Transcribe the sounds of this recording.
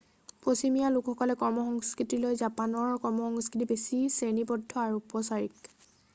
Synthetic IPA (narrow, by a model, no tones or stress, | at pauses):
pɹosimijalukxɔkɔlɛkɔɹmɔxɔŋskɹitilojzapanɔɹkɔɹmɔxɔŋskɹit̬ibesisenibɔdʱːɔaɹuupɔsaɹik